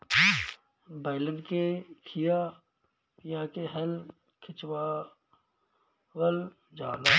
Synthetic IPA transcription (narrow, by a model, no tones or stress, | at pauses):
baːɪlə̃ɳɖkekʰija | jɐãkeɦɛl | kʰɪt͡ʃwa | wəl | d͡ʒaːlaː